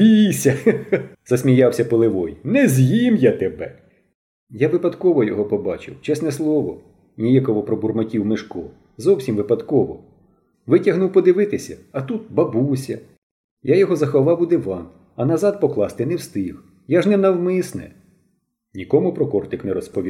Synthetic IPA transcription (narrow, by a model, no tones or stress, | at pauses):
pʲijsʲɐz̥ɐsʲmʲijɑwsʲɐpelˠɪʋɔjnɛzʲjimjat̪ebɛ | jaʋɪpɐd̪kɔʋɔjɔɦɔpɔbɑt͡ʃɪ̰wt͡ʃɛsnɛslˠɔʋɔ | nʲijakɔʋɔpɾɔburmɐkʲiwmɪʃkɔ | zɔwsʲimʋɪpɐd̪kɔʋɔ | ʋɪtʲɐɦnuwpɔd̪ɪʋɪt̪ɪsʲɐ̰ɐt̪ut̪̚bɐbusʲɐ | jajɔɦɔzɐxɐʋɑwʊd̪ɪʋɑn | ɐnɐzɑd̪̚pɔklˠɑst̪ɪnɛwst̪ɪx | jaʒnɛnɐwmɪsnɛ̰ | nʲikɔmʊpɾɔkɔrt̪ɪknɛɾɔspɔʋʲi